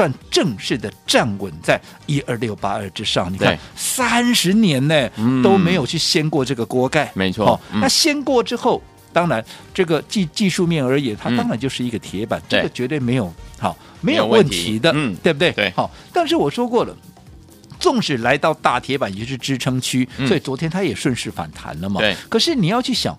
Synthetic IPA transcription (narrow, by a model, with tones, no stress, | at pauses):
swa˥˧nʈ͡ʂɤ˥˧ŋʂɻ̩˥˩d̪ə˩ʈ͡ʂa˥˩nkwə˨˩nt͡sa˥˩ɪ | i˥ə˞˥˧ljo˥˩ʊpa̰˥ə˞˥˩ʈ͡ʂɻ̩˥ʂɑ˥˩ŋni˨˩k̪ʰa˥˧˩nsa˥nʂɻ̩˧˥njɛ˧˥nne˥˧t̪o˥ʊme˧˥ɪjo˨˩ʊt͡ɕʰy˥˩ɕjɛ˥nkwɔ˥˧ʈ͡ʂɤ˥˩ɡə˩kwɔ˥ka˥˩ɪme˧˦t͡sʰwɔ˥xɑ˥˩na˥˩ɕjɛ˥nkwɔ˥˧ʈ͡ʂɻ̩˥xo˥˩ʊ | t̪ɑ˥ŋɻa˧˥nʈ͡ʂɤ˥˩ɡə˩t͡ɕi˥˧t͡ɕi˥˧ʂu˥˧mjɛ˥˩nə˞˧˥jɛ˨˥nt̪ʰa˥t̪ɑ˥ŋɻa˧˥nt͡ɕjo˥˧ʊʂɻ̩˥˩i˧˥ɡə˧t̪ʰjɛ˧˥pa̰˨˩˦nʈ͡ʂɤ˥˩ɡə˩t͡ɕɥɛ˧˥t̪we˥˩ɪme˧˥ɪjo˨˩ʊxɑ̰˥˩ | me˧˥ɪjo˨ʊwə˥˩nt̪ʰi˧˥d̪ə˧t̪we˥˧ɪbə˩t̪we˥˩ɪe˧˩xɑ˥˩ | t̪a˥˧nʂ̬ɻ̩˥˩wɔ˨˩ʂwɔ˥kwɔ˥˩lə̰˩ | t͡sʊ˥˩ŋʈ͡ʂɻ̩˨˩la˧˥ɪt̪ɑ˥˧ʊt̪a˥˩t̪ʰjɛ˧˥pa˨˩nt͡ɕo˧ʊʂɻ̩˥˩ʈ͡ʂɻ̩˥ʈ͡ʂʰɤ˥ŋt͡ɕʰy˥sɔ˧˥i˨˩t͡swɔ˧˥t̪ʰjɛ˥nt̪ʰa˥jɛ˨˩ʂwə˥˧nʂɻ̩˥˩fa̰˨˩nt̪ʰa̰˧˥nlə˧mɐ˧˥˩kʰɤ˨˩ʂɻ̩˥˩ni˨˩jɑ˥˧ʊt͡ɕʰy˥˩ɕjɑ̰˨˩˦ŋ